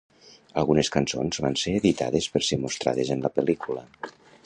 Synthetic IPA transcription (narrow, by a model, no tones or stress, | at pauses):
əlˠɣuneskanso̰nzβanseːðit̪a̰ðespəɾsemost̪ɾa̰ðezənləpəlikulə